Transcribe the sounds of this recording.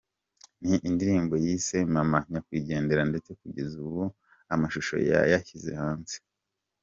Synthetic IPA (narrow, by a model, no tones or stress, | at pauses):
niʔindiɾiːmbo̞jise̞mamaɲakwiːɟe̞ːnde̞ɾande̞t͡se̞kuɟe̞zuβu | amaʃuʃo̞̰ja̰jaçize̞̰haːnze̥